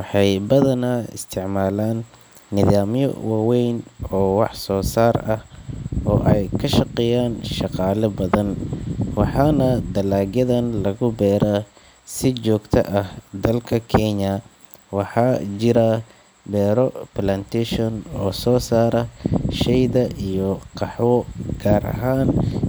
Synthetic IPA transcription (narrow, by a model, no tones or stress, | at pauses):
wɑħɑjbɐðɐnaɪ̰st̪ʰɪʕmaːlaːnː | ɪðaːmjɔ̰waːwɛjnɔːwɑħsɔːsaːrɐhʔɔːʔɛjkʰɐʃɑqɛjaːnʃɑqɑːlɐbɐðɐnwɑħɑːnɐd̪ɐlaːɡjɐðɐnlɐɣʊbɛːɾa | sɪt͡ʃɔːɡt̪ʰɐ̰ʔɐhd̪ɐlkʰɐkʰɛɲɐ | wɑħɑːt͡ʃɪɾɐ | bɛːɾɔplant̪ʰɛʃɔnɔːsɔːsaːɾɐʃɛjðɐʔijɔqɑħwɔɡ̥aːɾʔɐ̰ɦaːn